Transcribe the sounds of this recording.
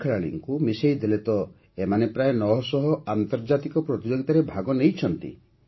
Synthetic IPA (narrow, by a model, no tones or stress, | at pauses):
kʰeɭaɭḭŋkumisejd̪elet̪ɔ | emanepɾaenɔɦɔsɔɦɔant̪ɔɾd͡ʒat̪ikɔpɾɔt̪id͡ʒɔɡit̪aɾebʱaɡɔnejt͡ʃʰɔnt̪ḭ